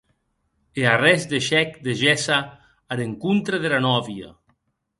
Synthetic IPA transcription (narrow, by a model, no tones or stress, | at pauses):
earɛzd̪eʃɛkd̪eʒɛsaː | ɾeŋkunt̪ɾeðeɾanɔβja̰